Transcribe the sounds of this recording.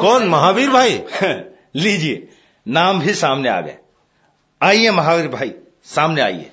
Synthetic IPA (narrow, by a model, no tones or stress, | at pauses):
kɔːnmɐɦabiɾbʱaːi | lid͡ʒije | naːmbʱisaːmnea̰ːɡḛ | aːijẽmɐɦaːiɾbʱaːi | saːmnea̰ːiḛ̃